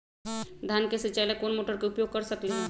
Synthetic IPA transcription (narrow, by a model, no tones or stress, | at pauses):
d̪ʱankesət͡ʃajlekoːnmoːʈəɾkeʊpjoɡ̚kəɾsəkliɦɛ̃